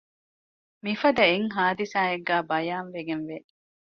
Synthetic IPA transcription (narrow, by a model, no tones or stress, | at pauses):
mifɐd̪ɐeŋɦaːd̪isaːeɡːæːbɐjaːnʋeɡenʋe